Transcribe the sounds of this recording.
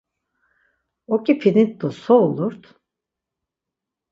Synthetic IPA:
okʲipʰinit̪̚ːosolˠuɾt̪

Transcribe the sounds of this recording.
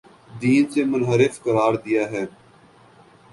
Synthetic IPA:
d̪iːnsemʊnɦəɾɪfkəɾaːɾd̪ɪjaːɦɛː

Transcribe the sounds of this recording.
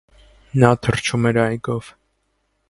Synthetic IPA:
nɑt̪ʰəɾt͡ʃʰumɛɾɑjɡɔv̥

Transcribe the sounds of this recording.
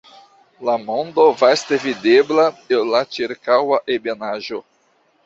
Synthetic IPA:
lamo̞nd̪o̞vast̪evideblapellat͡ʃiɾkawaʔebenaʒo̞

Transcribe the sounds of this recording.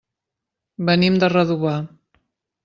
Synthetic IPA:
bənimd̪ərəðuβa

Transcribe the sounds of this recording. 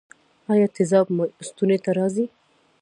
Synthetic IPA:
ɑjɑt̪ɪzɑbmʊst̪unet̪aɾɑzi

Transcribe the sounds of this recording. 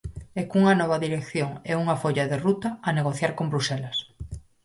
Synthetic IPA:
ekuŋɐnɔβ̞aðiɾekθjoŋɛuŋafoʎaðerut̪aːneɣoθjaɾkombɾusɛlas

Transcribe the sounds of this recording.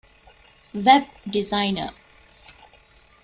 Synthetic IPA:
ʋɛb̚ɖizaɪnə̰

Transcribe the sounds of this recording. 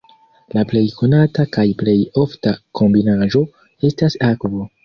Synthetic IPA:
laple̞jko̞natakajple̞jo̞ftakʰo̞mbinaʒo̞ | e̞stasakvo̞

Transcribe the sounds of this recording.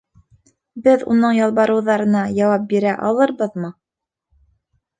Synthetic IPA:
bɘðṵnɤɴjɑlˠβɑɾɤ̆wðɑɾɤ̆nɑjɑwɑp̚biɾæʔɑ̰lˠɤɾbɤðmɤ

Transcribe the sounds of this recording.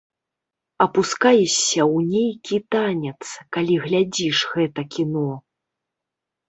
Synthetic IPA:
ɐpuskajɛsʲːɐwnʲejkʲit̪anʲɛt̪skalʲiɣlʲad͡zʲiʂɣɛt̪ɐkʲinɔ

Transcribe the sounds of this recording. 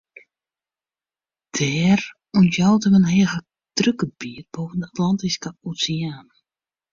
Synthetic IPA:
d̥ɛːr | untjɔwtəmənhɛəɣə | d̥røkəbiət̚boːvəndəatlɔntiskəosiaːnə

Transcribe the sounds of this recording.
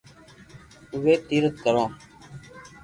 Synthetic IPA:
ʊʋeːt̪iːɾət̪̚kəɾõː

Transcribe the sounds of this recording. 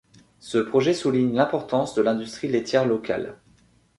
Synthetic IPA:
səpχɔʒɛsuliɲlɛ̃pɔʁt̪ɑ̃sd̪əlɛ̃d̪yst̪χilet̪ʰʲjɛʁlɔka̰l

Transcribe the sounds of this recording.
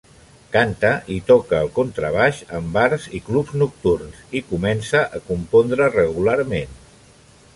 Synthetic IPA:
kant̪əʔit̪ɔkəːlˠkont̪ɾəβ̞aʃəmbaɾziklubznuk̚t̪urnsikumɛnsəʔəkumpond̪ɾərəɣularmen

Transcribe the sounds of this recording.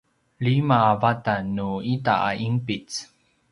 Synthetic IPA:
ɭimaːvatanuitaa̰ʔimpit͡s

